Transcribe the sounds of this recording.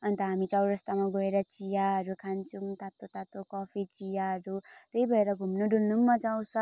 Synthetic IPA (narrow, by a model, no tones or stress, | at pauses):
ʌnt̪ʌɦamit͡sʌwɾʌst̪amaɡʌeɾʌt͡sijaɦʌɾukʰant͡sʰumt̪at̪ot̪at̪okʌpʰit͡sijaɦʌɾut̪eibʱʌeɾʌɡʱumnoɖulnumːad͡zaw̃sʰʌ